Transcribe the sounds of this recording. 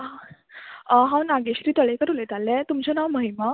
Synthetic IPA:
ɦãwnaɡeɕɾiːt̪əɭekəɾulet̪alːẽt̪umt͡ɕɔnawməɦima

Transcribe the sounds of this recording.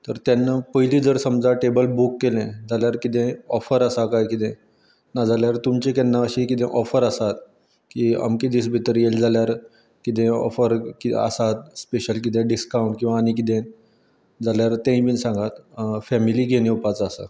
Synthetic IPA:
t̪əɾt̪janːapəɦilid͡zəɾsəmd͡zaʈebəlbukːelɛ̃d͡zaljaɾkit̪ɛ̃ɔfəɾəsakajkit̪ɛ̃ | nad͡zaljaɾt̪umt͡ɕekɛnːaəɕikit̪ɛ̰̃ʔɔfəɾəsat̪̚ | kiːa̰mkid̪iːsbʱit̪əɾjeld͡zʱaljaɾ | kit̪̬ɛ̃ɔ̰fəɾkiə̰sat̪speɕəlk̬it̪̬ɛ̃ɖiskawɳʈkĩw̃ʋaːñik̬it̪ɛ̃ | d͡zaljaɾt̪ɛ̃ĩbinsãŋɡat̪fɛmiliɡʱeñĩupat͡sːsa̰

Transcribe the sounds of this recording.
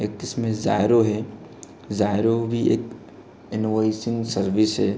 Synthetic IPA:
eːk̚t̪ɪsmẽza̰ːɪɾoɦɛ | zaːɪɾobʱieːk | ɪnʋɔɪsɪ̃ŋɡsəɾʋɪsɦɛː

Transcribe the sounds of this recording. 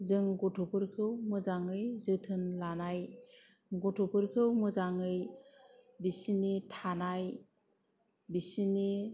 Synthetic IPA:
zɯŋɡɔtʰɔpʰɯɾkʰɯwmɯzaŋɯjzɯtʰɯnlanaj | ɡɔtʰopʰɯɾkʰɯwmɯzaŋɯj | bisinitʰanaj | bisini

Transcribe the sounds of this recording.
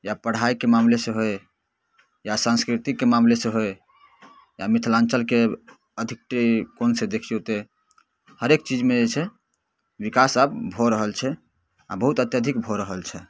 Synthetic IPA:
japəɽ̤aikemamlesẽɦoj | jasãnskɾit̪ikemamlesẽɦoj | jamit̪ʰlãnt͡ʃəlke | əd̪ʱik̚ʈkonsẽd̪ekʰijot̪e | həɾek̚t͡ʃid͡ʒmed͡ʒet͡ʃʰɛ | ʋikasəbbʱoɾəɦəlt͡ʃʰɛ | a̰bəɦut̪ət̪jəd̪ʱikbʱoɾəɦəlt͡ʃʰɛ

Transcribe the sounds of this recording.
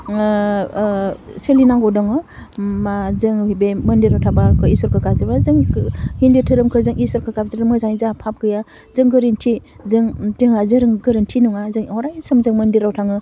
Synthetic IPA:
selinaŋɡɔdɔŋɯmazɯŋbemɯndiɾawtʰabakʰɯisɔɾkʰɯkazebazɯŋhinditʰɯɾɯmkʰɯzɯŋiswɔɾkʰɯkap̚ziɾɯmɯzaŋizapʰap̚ɡɯja | zɯŋɡɯɾintʰi | zɯŋtiŋazɯɾɯŋɡɯɾɯntʰinuŋazɯŋɔɾajisɯmzɯŋmɯndiɾawtʰaŋɯ

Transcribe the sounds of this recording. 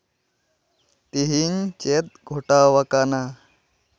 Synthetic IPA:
t̪iɦint͡ʃet̪̚ɡʱoʈaːʋɐkana

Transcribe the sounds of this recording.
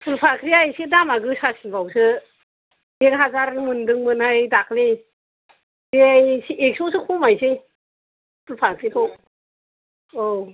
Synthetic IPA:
pʰɯlpʰakʰɾiajsidamaɡɯsasinpʰawsɯ | ekɦazaɾmɯndɯŋmɯnhajdakli | ɾiajsiek̚sɔsɯkʰumajsɯ | pʰɯlpʰakʰɾikʰɔ | ow

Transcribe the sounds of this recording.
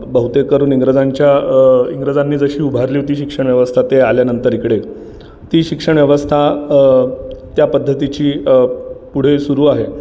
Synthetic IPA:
bəɦut̪ekəɾuːniŋɡɾəd͡zaɲt͡ɕjaiŋɡɾəd͡zanːiːd͡zəɕiːubʱaɾliːʋt̪iːɕikʂəɳ̃ʋjəʋəst̪ʰat̪ealjanənt̪əɾikɽe | t̪iːɕikʂəɳʋjəʋəst̪ʰa | t̪japəd̪ʱːət̪it͡ɕiː | puɽ̤esuɾuːaɦe

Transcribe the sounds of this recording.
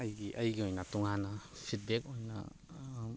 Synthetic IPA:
ɐjɡiʔɐjɡiojnatuŋanasʰit̚bek̚ojna̰

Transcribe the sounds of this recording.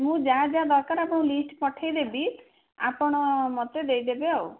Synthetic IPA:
mũd͡ʒad͡ʒad̪ɔɾkaɾapɔɽ̃ɔ̃lisʈpɔʈʰajd̪ebi | apɔɽ̃ɔmɔt̪ed̪ejd̪ebeau

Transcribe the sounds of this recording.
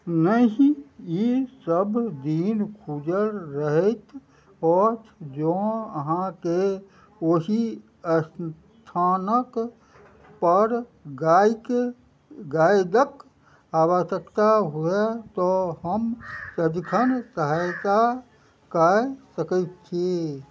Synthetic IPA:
nəɦĩjisəbd̪iːnkʰud͡ʒəlɾəɦət̪ | ɔt̪ʰd͡ʒoəɦãke | oɦi | əs | t̪ʰaːnək | pəɾɡaːk | ɡaːjd̪ək | aːwəʃəkt̪aɦuet̪ɔɦəmsəd͡ʒ̪kʰənsəɦajt̪a | kasəkət̪t͡ʃʰe

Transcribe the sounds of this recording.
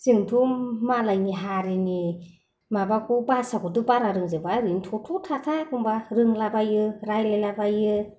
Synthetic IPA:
z̥ɯŋtʰumalajniɦaɾini | mabakʰubasakʰɔdɯbaɾaɾɯŋzɯbaɾɯnitʰɔtʰutʰatʰakʰuŋbaɾɯŋlabajɯɾajlalabajɯ

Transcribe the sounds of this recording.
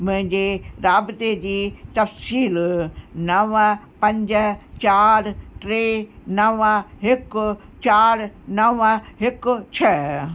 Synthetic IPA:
mʊ̃ɦɪ̃ɲd͡ʑeɾaːbt̪ed͡ʑiːt̪ɐfsiːlnɐʋə | pɐ̃ɲd͡ʑət͡ɕaːɾʈɾeːnɐʋɦɪkʊ | t͡ɕaːɾnɐʋəɦɪkʊt͡ɕʰɐ

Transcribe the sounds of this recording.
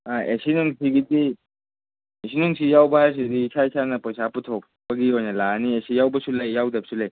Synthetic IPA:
aʔesinuŋsiɡiti | esʰinuŋsijawbɐɦaɾs̬idiːsʰaisʰanɐpɐsaputʰok̚ | pɐɡiɦojnɐlaniesijawbɐsulajːawdɐp̚sulej

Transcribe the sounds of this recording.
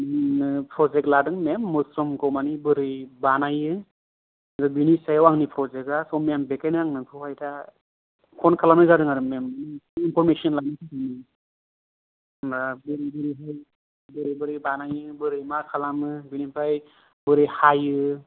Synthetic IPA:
memnɯpʰɾɔzek̚tladɯŋmemːɯsɾɔmkʰɔwmanibɯɾɯjbanajɯ | zabinisajawaŋnipʰɾɔzek̚asɔmejambekajnaŋnɯpʰɯhajtʰa | kʰɔnkʰalamnɯzadɯŋaɾɯmemɯniinpʰɔɾmesiɔnlanɯtʰani | mɾabɯɾibɯɾiɦaj | bɯɾibɯɾɯjbanajɯbɯɾɯjmakʰalamɯbinipʰaj | bɯɾɯjhajɯ

